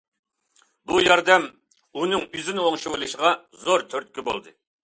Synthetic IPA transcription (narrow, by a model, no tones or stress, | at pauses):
bujɑɾd̪ɛm | unɨŋyzɪnɪoŋʃɨwɨlˠɨʃʁɑ | zoɾt̪ʰøɾt̪̚kʲibo̰lˠd̪ɨ